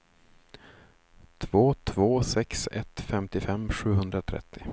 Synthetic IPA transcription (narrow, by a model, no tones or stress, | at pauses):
t̪ʰvoːt̪ʰvoːsɛksɛ̰t̪fɛmt̪ɪfɛmːɧʉ̟ːɦɵnd̪ɾat̪ʰɾɛ̰t̪ʰːɪ